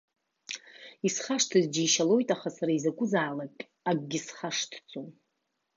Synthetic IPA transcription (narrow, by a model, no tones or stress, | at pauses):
isχaʂtʰɨzd͡ʒiːʃalo̞jtʼaχasaɾaizakʷʼʊzaːlakʼ | aɡɡʲɪsχaʂtʰt͡sʼo